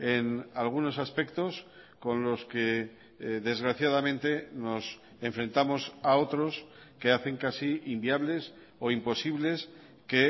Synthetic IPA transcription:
enalɣ̞uno̞saspe̞kt̪o̞s | ko̞nlo̞ske̞ | ðe̞zɣɾaθjaðamẽ̞nt̪e̞no̞s | eɱfɾe̞nt̪amo̞sao̞t̪ɾo̞s | ke̞aθe̞ŋkasiimbiaβle̞s | oimpo̞siβle̞s | ke

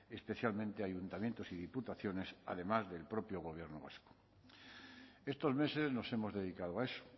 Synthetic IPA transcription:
espe̞θjalmẽnt̪eaʝunt̪amje̞nt̪osiðiput̪aθjo̞ne̞sa̰ðe̞mazðe̞lpɾo̞pjoɣ̞o̞β̞je̞ɾnoβa̰sko̥ | e̞st̪o̞zme̞se̞zno̞se̞mo̞zðe̞ð̞ikaðoaeso̥

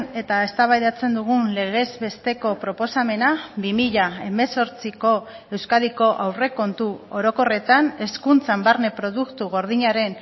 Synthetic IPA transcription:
e̞t̪ae̞st̪aβajðat͡se̞nd̪uɣ̞unle̞ɣ̞e̞zβe̞st̪e̞ko̞pɾo̞po̞same̞naβimiʎae̞me̞so̞ɾt͡siko̞ | e̞wskaðiko̞ʔawre̞ko̞nt̪uo̞ɾo̞ko̞re̞t̪ane̞skunt͡sambaɾne̞pɾo̞ð̞ukt̪uɣ̞o̞ɾð̞iɲaɾe̞n

